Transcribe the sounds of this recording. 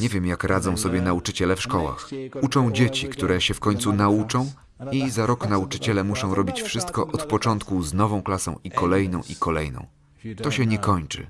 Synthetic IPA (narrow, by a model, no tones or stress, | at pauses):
ɲɛvʲjɛmjakɾʔad̪zɔ̃w̃sɔbʲjɛnaut͡ʂɘt͡ɕɛlɛfʂkɔwa̰xut͡ʂɔ̃w̃d͡ʑet͡ɕikt̪uɾɛɕɛfkɔɲt̪sunaut͡ʂɔ̃w̃ | izaɾɔknaut͡ʂɘt͡ɕɛlɛmuʂɔ̃w̃ɾɔbʲit͡ɕfʂɘst̪kɔʔɔt̪pɔt͡ʂɔnt̪̚kuznɔvɔ̃w̃klasɔ̰̃w̃ikɔlɛjnɔ̃w̃ʔikɔlɛjnɔ̰̃w̃ | t̪ɔɕɛɲɛkɔɲt͡ʂɘ̰